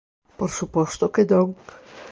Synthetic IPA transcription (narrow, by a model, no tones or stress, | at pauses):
poɾsupɔst̪oked̪ɔŋ